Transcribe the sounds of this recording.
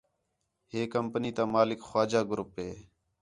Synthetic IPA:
ɦeːkəmpəniːt̪ãːmaːlɪkxwaːd͡ʒaːɡɾʊpɦeː

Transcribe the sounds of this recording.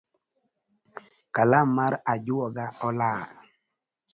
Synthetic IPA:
kalamːaɾad͡ʒʊɔɡaɔla

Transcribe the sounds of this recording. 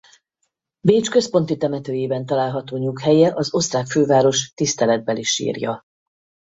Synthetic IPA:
beːt͡ʃkø̞spo̞nt̪it̪ɛmɛt̪øːjeːbɛnt̪ɒlaːlɦɒt̪oːɲukhɛjɛʔɒzo̞st̪raːkføːvaːɾo̞ʃt̪ist̪ɛlɛd̪̚bɛliʃḭːrjɒ

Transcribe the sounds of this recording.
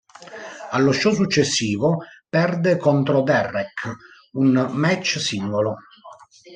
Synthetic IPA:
alːoʃːɔs̬ut͡ʃːesːiːvopɛrd̪ekont̪ɾod̪ɛrːɛk | unmɛt͡ʃːsiŋɡolo

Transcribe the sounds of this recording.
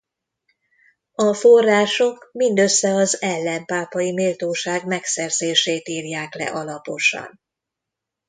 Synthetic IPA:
ɒfo̞rːaːʃo̞kmind̪ø̞sːɛɒzɛlːɛmpaːpɒjimeːlt̪oːʃaːɡmɛksɛrzeːʃeːt̪iːrjaːklɛ̰ʔɒlɒpo̞ʃɒ̰n

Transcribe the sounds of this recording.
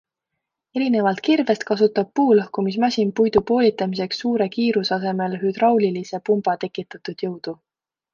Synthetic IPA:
e̞ɾine̞vɑlt̪̚kirve̞st̪̚kɑsut̪ːˑɑb̥̚puːlɤhkumis̬mæsʲimpujd̪̥upo̞ːlʲit̪ːˑɑmise̞ksːuːɾe̞kiːɾusɑs̬e̞me̞lɦyd̪̥rɑwlilise̞pumb̥ɑt̪e̞kːit̪ːˑɑt̪ud̪̥jɤwd̪̥u

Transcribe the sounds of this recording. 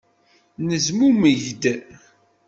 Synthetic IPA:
nəzmuməʝd̪

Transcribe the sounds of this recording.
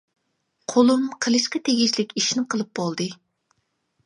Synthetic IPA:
qʰolˠumqʰəlˠɨʃqɑt̪ʰeɡʲiʃlɪkʲiʃnɪqʰəlˠɨp̚bɑlˠd̪ɨ

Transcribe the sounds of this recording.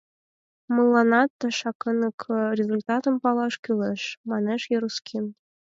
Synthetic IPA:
mɤ̆lˠːɑnɑt̪ːəʃɑkɤ̆nɤkʰrʲezulʲt̪ɑt̪ə̆mpɑlˠɑʃkyleʃmɑneʃjeɾuskʲʰim

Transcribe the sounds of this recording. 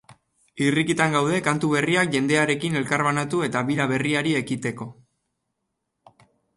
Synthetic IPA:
irikit̪aŋɡawðe̞kant̪uβ̞e̞riakʝe̞nd̪e̞aɾe̞kine̞lkaɾβanat̪ue̞t̪aβiɾaβ̞e̞riaɾie̞kit̪e̞ko̞

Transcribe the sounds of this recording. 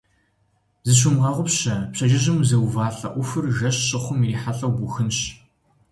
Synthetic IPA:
zɨɕ̬ʊmʁɐʁʷʊpɕɐpɕɐʒɪʑɪmzɐwvaːɬɐ̰ʔʷʊfɨrʒɐɕɕʼɪχʷʊmiːħaɬʼɐwbʊxɨnɕ

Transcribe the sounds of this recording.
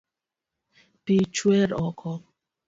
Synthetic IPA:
pit͡ʃweɾɔkʰɔ

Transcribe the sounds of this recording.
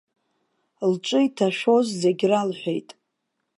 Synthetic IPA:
lt͡ʃʼɨitʰaʃᶣo̞zzeɡʲralħʷᶣejtʼ

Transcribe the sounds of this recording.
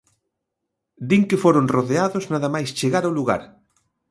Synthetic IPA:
d̪iŋkɪfoɾonroðeaðoznaðɐmajst͡ʃeɣaɾawluɣa̰ɾ

